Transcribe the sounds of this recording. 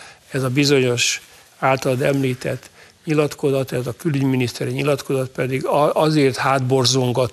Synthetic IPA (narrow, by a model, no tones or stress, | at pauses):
ɛzɒbizo̞ɲo̞ʃ | aːlt̪ɒld̪ɛmliːt̪ɛt̪ː | ɲilɒt̪ko̞zɒt̪ɛt̪ɒkylyɟminist̪ɛɾiɲilɒt̪ko̞zɒt̪̚pɛd̪iɡɒzeːrt̪haːd̪bo̞rzoŋɡɒt̪